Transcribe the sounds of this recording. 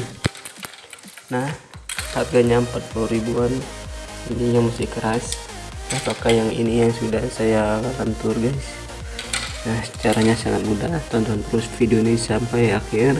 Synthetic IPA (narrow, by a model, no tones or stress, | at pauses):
nahhat̪̚ɡaɲaəmpat̪̚puluɾibuan | iniɲamast̪ɪhkəɾasapakahjaŋḭnijaŋsudahsajaɡant̪ʊrɡajs | nahsət͡ʃaɾaɲasaŋat̪̚mudat̪ɔnt̪ant̪əɾʊsfidionisampajaxɪr